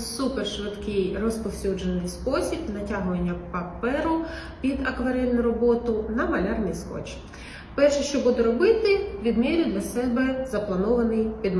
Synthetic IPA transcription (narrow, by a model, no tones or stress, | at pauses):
superʃʋɪd̪kɪjrɔspɔwsʲud͡ʒenɪjspɔsʲibnɐtʲaɦʊʋɐnʲːɐpɐpɛɾʊ | pʲid̪ɐkʋɐɾɛlʲnʊjɾɔbɔt̪ʊnɐmɐlʲarnɪjskɔ̰t͡ʃ | pɛrʃɛʃt͡ʃɔbud̪ɛɾɔbɪt̪ɪʋʲid̪mʲiɾʲʊd̪lʲɐsɛbɛzɐplˠɐnɔʋɐnɪjpʲid̪m